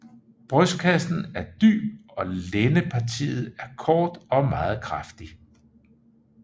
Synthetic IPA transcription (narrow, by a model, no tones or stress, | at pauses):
b̥ʁœskʰæsn̩æɐd̥y̰ːb̥ɒ̽lenəpʰɑ̈t͡sʰḭːð̞̩ˠæɐkʰɒːd̥ɒ̽mɑ̈ːð̞̩ˠkʰʁɑfd̥i